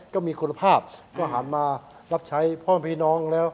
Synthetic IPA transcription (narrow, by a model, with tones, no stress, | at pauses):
kɔː˥˩miː˧kʰu˧nːa˧pʰaː˥˩p̚kɔː˥˩ɦaː˩˦nmaː˧ | ɾa˦˥p̚t͡ɕʰa˦˥jpʰɔː˥˩˨npʰiː˥˩nɔː˦˥ŋlɛː˦˥w